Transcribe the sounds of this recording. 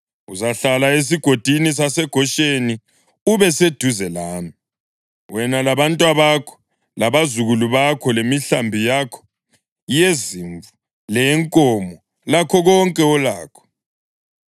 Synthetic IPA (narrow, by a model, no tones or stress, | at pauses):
uzaɬalaes̬iɡ̥ʱod̥ʱinis̬asɛɡ̥ʱɔʃeni | uβɛsed̥ʱuzɛlaːmi | wɛnalaβantʼwaβakʰɔ̥ | laβazuɣuluβakʰɔlemiɬambʱijakʰɔ̥ | jeziɱvu | lɛŋkʼɔmɔ | lakʰɔɣɔŋkʼɛɔlaːkʰɔ̥